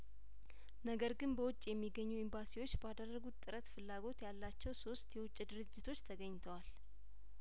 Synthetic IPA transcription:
nəɡəɾɡɨnbəwʊt͡ʃʼːjɛmːiɡːəɲːuɪmbasiwo̞t͡ʃːbəad̪ərːəɡut̪t̪ʼːɨɾət̪fɨlːaɡo̞t̪jalːat͡ʃːɛwso̞st̪jɛwʊt͡ʃʼːd̪ɨɾɨd͡ʒːɪt̪ʰo̞t͡ʃːt̪ʰəɡəɲːt̪ʰəwal

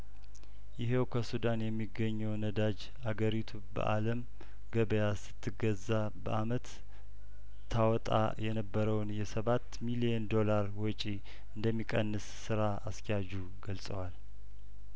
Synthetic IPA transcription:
jɪɦewkʰəsud̪anjɛmːiɡəɲːɛwnəd̪ad͡ʒ | aɡəɾit̪ʰubə̰ʔa̰ləm | ɡəβəjasɨ̥t̪ʰːɨɡəzːa | bə̰ʔamət̪ | t̪ʰːawɔt̪ʼa̰jɛnəbːəɾəwnjɛsəβat̪ːmiliɛnd̪o̞laɾwɔt͡ʃʼi | ɨnd̪əmːikʼənːɨsːɨɾa | askjad͡ʒu | ɡəlsʼəwal

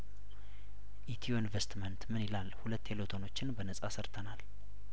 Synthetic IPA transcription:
ʔit̪ʰijoinvest̪mənt̪mɨnilalhulət̪ːelot̪ʰono̞t͡ʃːɪnbənəsʼasəɾt̪ʰənal

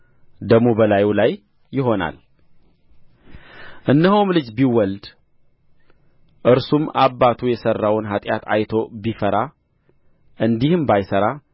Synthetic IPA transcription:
d̪əɡmobəlajulajː | ɪɦo̞na̰l | ʔɨnːəɦowmlɨd͡ʒbiwɔld̪ | ʔɨɾsumaβːat̪ʰujɛsərːawnɦat̪ʼjat̪a̰jt̪ʰo̞bifəɾa | ʔɨnd̪ihɨmbajsəɾa

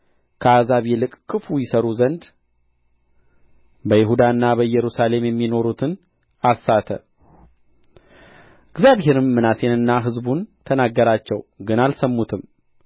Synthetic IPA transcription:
kʰəazaβjɛlɨkʼkʼːɨfujɪsəɾuzənd̪ | bəjɪɦud̪aɨnːabəjɛɾusale̞mjɛmːino̞ɾut̪ʰɨn | asːat̪ʰə̰ | ɪɡzjaβɦe̞ɾɨmːɨnase̞nɨnːaɦɨzbunt̪ʰənaɡːəɾat͡ʃːɛwɡɨnalsəmːut̪ʰɨm

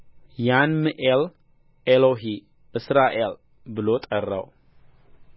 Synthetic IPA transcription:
janmɨʔel | eloɦi | ʔɨsɾaʔel | bɨlo̞t̪ʼərːa̰w

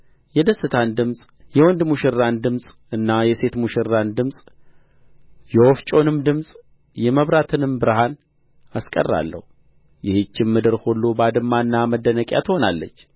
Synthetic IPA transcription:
jɛd̪əsːɨt̪ʰand̪ɨmsʼ | jɛwɔnd̪muʃɪɾːand̪ɨmsʼ | ɨnːajɛse̞t̪muʃɪɾːand̪ɨmsʼ | jɛwoft͡ʃʼo̞nɨmd̪ɨmsʼ | jɛməβɾat̪ʰɨnɨmbɨɾhan | askʼə̰rːa̰lːə̰hu | jɪhet͡ʃːɪmːɨd̪ɨɾholːobad̪ɨmːanːaməd̪ːənəkʼja̰t̪ʰɨho̞nalːə̰t͡ʃː

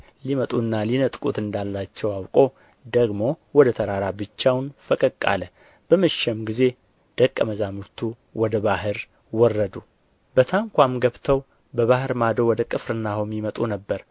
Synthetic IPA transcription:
limət̪ʼunːalinət̪ʼkʼut̪ɨnd̪alːat͡ʃːɛwawkʼo̞ | d̪əɡmo̞wɔd̪ət̪ʰəɾaɾabɨt͡ʃːawnfəkʼəkʼːa̰lə | b̥əməʃɛmɡize̞ | d̪̥əkʼːəməzamɨɾt̪ʰu | wɔd̪əβaɦɨɾ | wɔrːəd̪u | bət̪ʰaŋkʷamɡəβt̪ʰəw | bəβahɨɾmad̪əwɔd̪əkʼɨfɾɨnːahomːimət̪ʼunəbːəɾ

